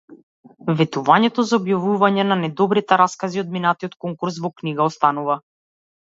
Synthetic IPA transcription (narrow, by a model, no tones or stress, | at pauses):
vɛt̪uvaɲɛt̪ɔzaɔbjavuvaɲɛnanɛd̪ɔbɾit̪ɛɾaskaziɔd̪̚minat̪iɔt̪kɔŋkuɾs̬vɔkniɡaɔst̪anuva